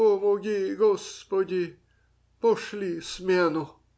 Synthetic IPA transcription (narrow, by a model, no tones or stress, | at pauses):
ɔmoɡʲiɡɔspɔdʲi | pɔʃlʲismʲɛnʊ